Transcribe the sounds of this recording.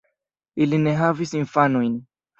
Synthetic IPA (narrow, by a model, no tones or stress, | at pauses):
ilineɦavisinfanujn